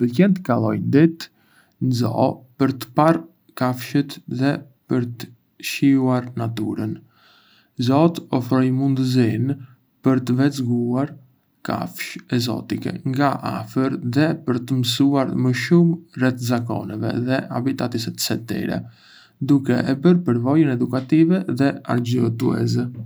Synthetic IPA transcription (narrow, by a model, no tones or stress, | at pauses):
pəlcɛnt̪əkalˠɔ̰jnd̪it̪ | nzɔ̰pəɾt̪ə̥par | kafʃət̪ðɛ | pəɾt̪ə̥ | ʃiuaɾnat̪uɾən | zɔt̪ɔfɾɔjmund̪əzin | pəɾt̪əvɛt͡sɡuaɾ | ka̰fʃɛzɔ̰t̪ikɛ̰ŋɡaʔa̰fəɾðɛpəɾt̪əmsuaɾməʃumrɛt̪zakɔ̰nɛvɛ̰ðɛa̰bit̪at̪isɛt̪sɛt̪ɛ̰ɾɛ̰ | d̪ukɛ̰ʔɛbəɾpəɾvɔjənɛd̪ukat̪ivɛðɛa̰ɾd͡ʒət̪ṵɛ̰zɛ